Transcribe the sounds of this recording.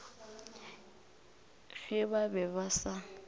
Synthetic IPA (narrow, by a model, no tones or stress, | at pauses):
ɣɪβabɛβasa